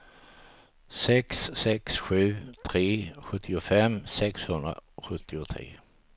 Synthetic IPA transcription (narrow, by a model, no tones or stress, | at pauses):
sɛksːɛksɧʉ̟ːt̪ʰɾeːɧɵt̪ʰːɪʊfɛmsɛkshɵnd̪ɾa̰ɧɵt̪ʰːɪʊt̪ʰɾḛː